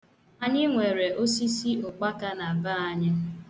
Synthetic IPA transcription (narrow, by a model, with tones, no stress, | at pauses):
a˨ɲɪ˦ŋʷe˨ɾe˨ʔo˦si˦si˦ʊ˨k͡pa˦ka˦na˨ba˦a˦ɲa˦